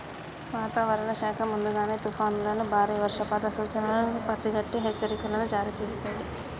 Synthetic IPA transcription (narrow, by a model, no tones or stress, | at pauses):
ʋaːt̪aːʋɐɾɐɳɐʃaːkʰɐmund̪uɡaːneːt̪upʰaːnulɐnubʱaːɾiːʋɐɾʂɐpɐːd̪ɐsuːt͡ʃɐnɐlɐpɐsiɡɐʈːiɦet͡ʃːɐɾikulɐnud͡ʒaːɾiːt͡ʃe̞ːst̪und̪i